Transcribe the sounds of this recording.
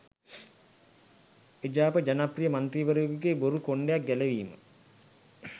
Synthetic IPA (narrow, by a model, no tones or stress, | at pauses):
ed͡ʒaːpəd͡ʒanaprijəmant̪ɾiːʋəɾuɡuɡeboɾukoɳɖejak̚ɡæleʋiːmə̰